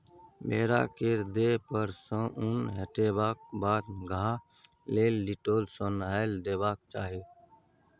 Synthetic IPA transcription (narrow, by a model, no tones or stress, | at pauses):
beːɾa̰keɾd̪epəɾsə̃ʔʊnɦəʈeːbaːk̚baːd̪ɡʱa | leːlɖiʈoːlsonaːeld̪eːbaːk̚t͡ʃaːɦe